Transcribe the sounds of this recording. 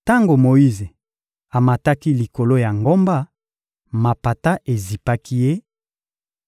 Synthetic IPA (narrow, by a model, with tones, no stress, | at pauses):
ta˦ŋɡo˨mo˨ji˦ze˨ | a˨ma˨ta˦ki˦li˨ko˨lo˦ja˨ŋɡo˦mba˦ | ma˨pa˨ta˦ʔe˨zi˨pa˦kʰi˦je˦